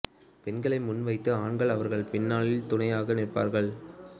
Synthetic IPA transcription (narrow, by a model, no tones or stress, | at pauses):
pɛnɡɐɭɐɪmʊnʋɐɪt̪ːɯaːɳɡɐɭɐʋɐɾɣɐɭpɪnːaːɭɪlt̪ʊnɐjaːɣɐnɪrpa̰ːɾɣɐɭ